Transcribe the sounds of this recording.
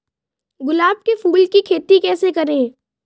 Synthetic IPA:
ɡʊlaːb̚kefuːlkikʰeːt̪ikɛːsekɐɾẽː

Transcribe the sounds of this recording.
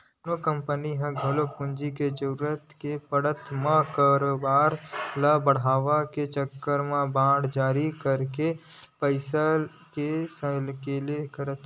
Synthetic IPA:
nokə̃mpəniɦɛ̃ɡʱɐlopʊnd͡ʒiked͡ʒəɾuɾət̪kepəɽət̪mə̃kaːɾoːbaːɾlabəɽ̤aːʋaket͡ʃəkːəɾmãbãːɽd͡ʒaːɾikəɾke | pəɪsəl | kesə̃lkeːlekəɾət̪

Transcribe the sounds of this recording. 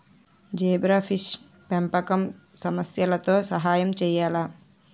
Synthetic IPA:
d͡ʒeːbɾapʰiʃ | pɐmpɐkɐm | sɐmɐsjɐlɐt̪oːsɐɦaːjɐmt͡ʃɛjːaːlɐ

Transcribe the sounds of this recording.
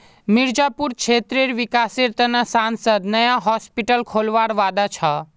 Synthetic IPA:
miɾd͡ʒapuɾkt͡ʃʰeːt̪ɾeɾʋikaseɾt̪ənasansəd̪nəjaɦɔspiʈəlkʰoːlʋaːɾʋaːd̪at͡ʃʰə

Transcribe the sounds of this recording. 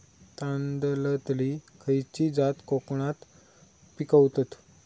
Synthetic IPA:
t̪ãnd̪lət̪likʰəjt͡ɕid͡zat̪kokɳat̪ | pikəwt̪ət̪

